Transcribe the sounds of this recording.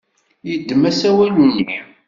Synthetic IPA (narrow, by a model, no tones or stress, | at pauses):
jəd̪ːmæsæwæluni